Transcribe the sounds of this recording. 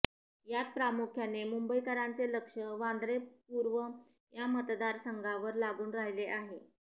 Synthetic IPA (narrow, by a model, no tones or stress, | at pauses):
jat̪̚pɾamukʰjanemumbəjkəɾãnt͡seləkʂəʋãnd̪ɾepuɾʋə | jamət̪d̪aɾsəŋɡʱaʋəɾlaɡuːnɾaɦileʔaɦe